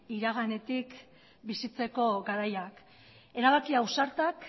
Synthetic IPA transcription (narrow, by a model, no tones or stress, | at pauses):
iɾaɣane̞t̪ik | bisit͡se̞ko̞ɡaɾajak | e̞ɾaβ̞akiawsaɾt̪ak